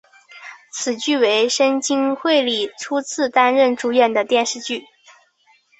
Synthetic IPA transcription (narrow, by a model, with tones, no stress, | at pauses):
t͡sʰɹ̩˨˩t͡ɕy˥˩we˧˥ɪʂə˥nt͡ɕi˥ŋxwe˥˧ɪli˨˩ʈ͡ʂʰu˥t͡sʰɹ̩˥˩t̪a˥nɻə˥˩nʈ͡ʂu˧˥ɥɛ˨˩nd̪ə˩t̪jɛ˥˧nʂɻ̩˥˧t͡ɕy˥˩